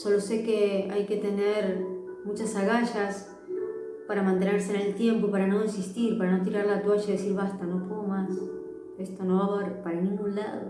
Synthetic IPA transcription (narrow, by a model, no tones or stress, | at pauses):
so̞lose̞keajke̞t̪e̞neɾmut͡ʃasaɣaʃas | paɾamãnt̪ene̞ɾsenelt̪je̞mpopaɾano̞ensist̪iɾpaɾanot̪̬iɾaɾlat̪waʃaiðesiɾβast̪ano̞komas | e̞st̪o̞no̞βaβaɾpaɾanĩŋɡunla̰ðo